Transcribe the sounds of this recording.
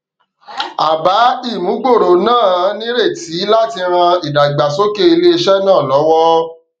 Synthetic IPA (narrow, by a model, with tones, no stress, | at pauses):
a˨ba˨˦i˦˨mũ˨˦ɡ͡bo˦˨ɾo˨nãː˦˨˦nĩ˦ɾe˦˨ti˨˦la˦ti˧ɾ̃ã˧i˨da˨ɡ͡ba˨so˦ke˦i˧le˦i˧ʃɛ˦nãː˦˨lɔ˨˦wɔ˦